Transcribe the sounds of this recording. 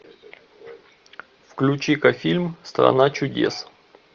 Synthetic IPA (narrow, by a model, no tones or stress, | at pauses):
fklʲʊt͡ɕikɐfʲilʲmst̪ɾɐ̰nat͡ɕʊdʲḛs